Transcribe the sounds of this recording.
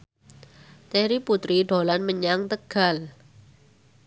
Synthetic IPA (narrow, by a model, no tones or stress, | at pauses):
t̪eɾiput̪ɾiɖ̥o̤lanməɲaŋt̪əɡ̥a̤l